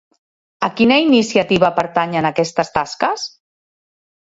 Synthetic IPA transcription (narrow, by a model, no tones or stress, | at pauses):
əkinəinisjat̪iβəpəɾt̪aɲənakɛst̪əst̪askəs